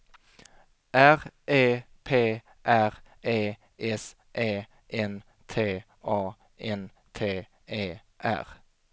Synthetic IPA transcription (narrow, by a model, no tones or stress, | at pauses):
ʔæʁʔeː | pʰeː | ʔæʁ | eː | ʔɛs | ʔeː | ʔɛn | t̪ʰeː | ʔɑː | ʔɛn | t̪ʰeː | eː | ʔæ̰ʁ